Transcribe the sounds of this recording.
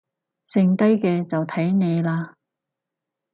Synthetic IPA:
sɪ˧ŋt̪ɐ˥jkɛː˧t͡sɐ˨wt̪ʰɐ˨˥jne˨˧jlaː˧

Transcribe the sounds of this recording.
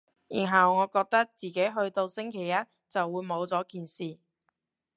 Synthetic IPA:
jiː˨˩nɦɐ˨wŋɔː˨˧kɔː˧k̚t̪ɐ˥k̚t͡siː˨ke˨˥jɦɵ˧ɥt̪o˧wsɪ˥ŋkʰe˨˩jːɐ˥t̚ | t͡sɐ˨wːuː˨˧jmo˨˧wt͡sɔː˨˥kiː˨nsiː˨

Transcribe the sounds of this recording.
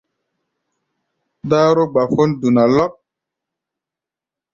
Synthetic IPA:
daː˦ɾo˦ɡ͡ba˨fo˦ndu˨na˨lɔ˦k̚

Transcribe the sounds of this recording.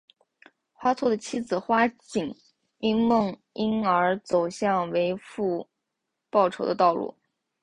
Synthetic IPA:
xwa˥t͡sʰwɔ˥˩d̪ə˩t͡ɕʰi˥d͡zɹ̩˨˩xwa˥t͡ɕi˨˩ŋ | i˥ŋmɤ˥˩ŋ | i˥nə˞˧˥t͡so˨˩ʊɕjɑ˥˩ŋwe˧˥ɪfu˥˧ | pɑ˥˩ʊʈ͡ʂʰo˧˥ʊd̪ə˧t̪ɑ˥˧ʊlṵ˥˩

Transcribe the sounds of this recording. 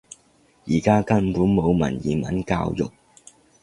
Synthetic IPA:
jiː˨˩kaː˥kɐ˧npuː˨˥nmo˨˧wmɐ̰˨˩njiː˨˩mɐ˨˥nka̰ː˧wjʊ̰˨˩k̚

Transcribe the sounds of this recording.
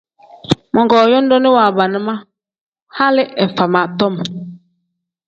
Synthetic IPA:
mɔ˨ŋɡɔː˨jɔ˦n˦dɔ˦ni˦wa˨ba˨nə˦ma˦ | ha˦lɪ˦ʔɛ˨fa˨ma˨tɔ˦˨m

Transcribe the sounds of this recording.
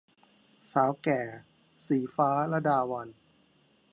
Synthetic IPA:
saː˩˦wkɛː˨˩ | siː˨˩˦faː˦˥lɛ˦˥daː˧wa˧n

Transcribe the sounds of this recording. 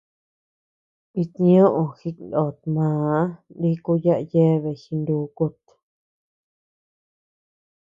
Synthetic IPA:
i˧t̪ĩ˧ɲõ˦ʔõ˧xi˧no˨t̪mãː˨˦ndi˦ku˧ja˦ʔje˦˧βe˧˨xi˧nd̪uː˧˦ku˧t̪

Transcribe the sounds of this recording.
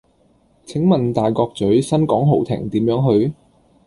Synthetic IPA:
t͡sʰɪ˨˥ŋmɐ˨nt̪aː˨jkɔː˧k̚t͡sɵ˨˥ɥsɐ˥nkɔː˨˥ŋɦo˨˩wt̪ʰɪ̰˨˩ŋt̪iː˨˥mjœː˨˥ŋɦɵ˧ɥ

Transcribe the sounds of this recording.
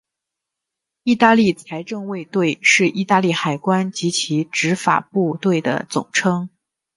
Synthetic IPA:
i˥˧t̪a˥˧li˥˩t͡sʰa˧˥ɪʈ͡ʂɤ˥˧ŋwe˥˧ɪt̪we˥˧ɪʂɻ̩˥˧ʔi˥˧t̪a˥˧li˥˩xa˨˩ɪkwa˥nt͡ɕi˧˥t͡ɕʰi˧˥ʈ͡ʂɻ̩˧˥fa̰˨˩pu˥˧t̪we˥˩ɪd̪ə̰˩t͡sʊ̰˨˩ŋʈ͡ʂʰɤ˥ŋ

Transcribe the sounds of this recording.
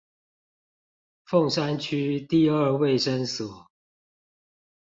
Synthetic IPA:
fo˥˨ŋʂa˦nt͡ɕʰy˥t̪i˥˨ə˞˥˧we˥˨ɪʂə˦nsɔ˨˩˦

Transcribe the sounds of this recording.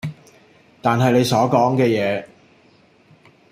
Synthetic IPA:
t̪aː˨nɦɐ˨jne˨˧jsɔː˨˥kɔː˨˥ŋkɛː˧jɛː˨˧

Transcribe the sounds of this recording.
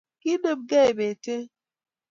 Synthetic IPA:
ki˦də˦˨p̚ɡɛ˦˨be˨te˦

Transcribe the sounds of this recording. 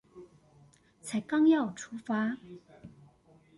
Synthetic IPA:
t͡sʰa˧˥ɪkɑ˥ŋjɑ˥˨ʊʈ͡ʂʰu˥fa˥

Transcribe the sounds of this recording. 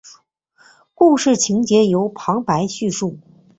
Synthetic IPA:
ku˥˧ʂɻ̩˥˩t͡ɕʰi˧˥ŋt͡ɕjɛ˧˥jo˧˥ʊpʰɑ˧˥ŋpa˧˥ɪɕy˥˧ʂu˥˩

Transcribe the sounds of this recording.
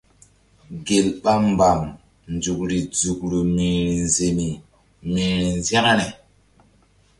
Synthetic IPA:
ɡe˨lɓa˦mba˨m | nd͡ʒu˨k̚ɾi˨d͡zu˨k̚ɾu˨mi˨ɾi˨nze˨mi˨ | mi˨ɾi˨nza˦ŋ˦nɛ˨

